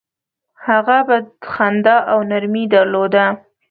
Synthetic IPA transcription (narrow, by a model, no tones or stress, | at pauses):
haɣabaxand̪ɑʔawnaɾmid̪aɾlod̪a